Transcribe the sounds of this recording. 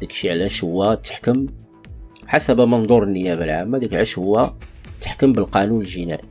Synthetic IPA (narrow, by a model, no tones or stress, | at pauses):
d̪ikʃiʕlæʃʊwːæt̪ːə̥ħkəm | ħasæbəmənd̪ˤuɾˤənːəjæbəlʕamːæd̪əkʕæʃhəwːæt̪ːə̥ħkəmbəlqɑnunəlʒinæ̰ʔ